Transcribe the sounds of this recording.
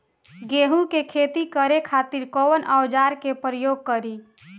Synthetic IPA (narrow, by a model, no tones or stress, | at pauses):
ɡeɦũkekʰet̪ikəɾekʰat̪iɾkowənʔəwd͡ʒaɾkepɾəjoːɡ̚kəɾi